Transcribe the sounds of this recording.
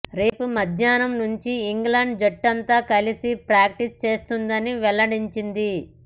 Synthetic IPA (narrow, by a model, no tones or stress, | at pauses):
ɾe̞ːpumɐd̪ʱjaːnɐmnuɲt͡ʃiːŋɡlaɳɖd͡ʒoʈːɐnt̪aːkɐlisipɾaːk̚ʈist͡ʃe̞ːst̪und̪ɐniʋɛlːɐɽiɲt͡ʃind̪i